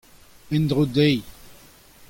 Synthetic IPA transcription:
ɛ̃nd̪ʁod̪ej

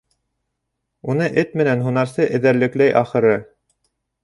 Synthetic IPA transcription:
unɤʔɘt̪mɘ̆nænɦunɑɾsɤʔɘ̆ðæɾlɘ̆klæjʔɑχɤ̆ɾɤ

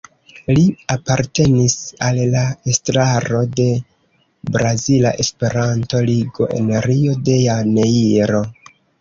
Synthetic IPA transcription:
liapaɾte̞nisalːaestɾaɾo̞de̞ | bɾazila̰ʔe̞spe̞ɾanto̞liɡo̞̰ʔe̞̰neɾio̞de̞janeiɾo̞

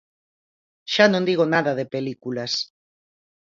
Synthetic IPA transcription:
ʃanõnd̪iɣonaðɐðepelikulɐs

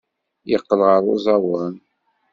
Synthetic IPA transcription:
jəqːəlʁəɾˤṵzˤɑwən

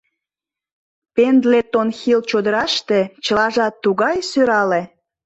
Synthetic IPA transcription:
pend̪let̪onxilt͡ɕod̪əɾɑʃt̪et͡ɕəlɑʒɑt̪ːuɣɑjsøɾɑle

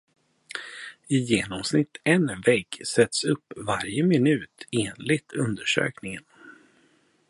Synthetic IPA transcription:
ɪjeːnɔmsnɪt̪ːɛnvɛɡsɛt̪sɵpːvaɾjəmɪnʉ̟ːt̪ʰeːnlɪɡ̚t̪ʰɵnd̪əʂø̰ːknɪŋən

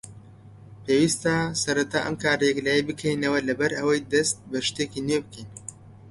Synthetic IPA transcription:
pʰeːwiːst̪asɐɾɐt̪ʰaːʔɐ̰mkʰaːɾejɛklɛjebɨkʰɛjinɐwɐlɐbɐɾɐwɐjd̪ɐst̪̚bɐʃt̪eːkinebɨkin

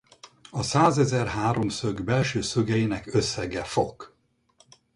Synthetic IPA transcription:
ɒsaːzɛzɛrɦaːɾo̞msøɡbɛlʃøːsøɡɛjinɛkøsːɛɡɛfo̞k

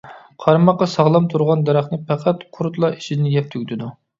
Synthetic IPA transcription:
qʰɑɾmɑqːɑsɑʁlˠɑmt̪ʰuɾʁɑnd̪ɑɾɑχnɨpʰæqʰæt̪qʰʊɾt̪lˠɑi̥ʃid̪ɪnɪjɛp̚t̪ʰyɡʲd̪ɪd̪u

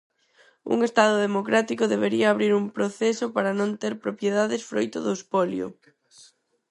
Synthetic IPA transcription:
ṵŋest̪aðʊðemokɾat̪ikʊðeβ̞eɾiɐːβɾiɾumpɾoθɛsʊpaɾɐnõnt̪eɾpɾopjeðaðesfɾojt̪ʊ̰ðʊspɔljo̰

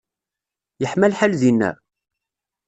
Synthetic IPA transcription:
jəħmælħalðinːæ̰

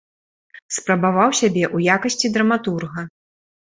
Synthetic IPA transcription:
spɾɐbavawsʲabʲɛʔujakɐsʲt͡sʲid̪ɾɐmat̪urɣɐ

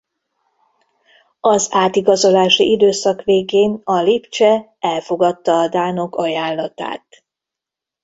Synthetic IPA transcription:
ɒzaːt̪iɡɒzo̞laːʃiʔid̪øːsɒkʋeːɡeːnɒlipt͡ʃɛ | ɛlfo̞ɡɒt̪ːɒːd̪aːno̞kɒjaːlːɒt̪a̰ːt̪

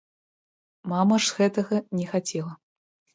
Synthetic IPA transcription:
mamɐʐzɣɛt̪ɐɣɐnʲɛxat͡sʲɛlˠɐ

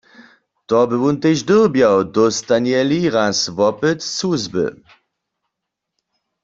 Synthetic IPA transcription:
t̪ɔbɪwunt̪eʒdəʁbjawdɔst̪anɛliʁasvɔpɪt̪suzbɨ̰

